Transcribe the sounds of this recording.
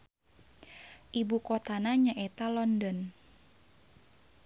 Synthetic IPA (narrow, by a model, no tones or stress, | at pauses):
ʔibukɔt̪anaɲaʔet̪alɔndɔn